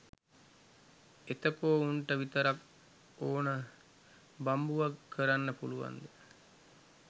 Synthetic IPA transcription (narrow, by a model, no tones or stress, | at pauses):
et̪əkoːuɳʈəʋit̪əɾak | oːnə | bambuʋakːəɾanːəpuluʋa̰nd̪ə